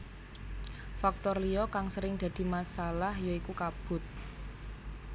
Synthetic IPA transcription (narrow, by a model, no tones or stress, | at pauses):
fak̚t̪ɔrliɔkaŋsəɾɪŋd̪̥ä̤d̪̥i̤masalahjɔikukab̥ʊ̤t̪̚